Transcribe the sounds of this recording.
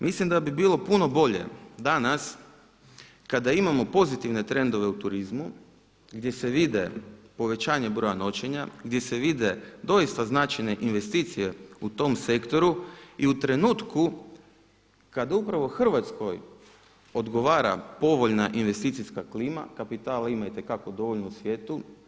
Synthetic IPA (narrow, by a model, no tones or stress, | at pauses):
mʔislimd̪abibiːlˠo̞puno̞bo̞ʎe̞̰d̪anas | kad̪aimamo̞po̞zit̪iʋne̞t̪ɾe̞nd̪o̞ʋe̞ut̪uɾizmu | ɡd̪je̞se̞ʋid̪e̞po̞ʋe̞t͡ɕaːɲe̞bɾo̞jano̞t͡ɕeɲaɡd̪je̞se̞ʋid̪e̞d̪o̞ist̪aznat͡ʃajne̞ʔinʋe̞st̪iːt̪sije̞ut̪o̞mse̞kt̪o̞ɾuiut̪ɾe̞nuːt̪ku | kad̪aupɾaʋo̞xr̩ʋat̪sko̞j | o̞d̪ɡo̞ʋaːɾa̰po̞ʋo̞ʎnaʔinʋe̞st̪iːt̪siskakliːma̰kapit̪aːlaimait̪e̞kako̞d̪o̞ʋoʎnousʋʲje̞ːt̪u